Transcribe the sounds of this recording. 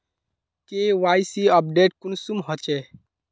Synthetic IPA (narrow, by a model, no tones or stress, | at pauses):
kewajsiəp̚ɖeʈ̚kunsumɦɔt͡ʃe